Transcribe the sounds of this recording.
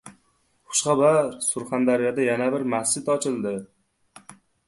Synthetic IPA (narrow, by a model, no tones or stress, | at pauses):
χʊ̥ʃχɑbaɾsʊɾχand̪aɾɪjad̪ajanabɪɾmast͡ʃɪt̪ɒt͡ʃʰɪld̪ɪ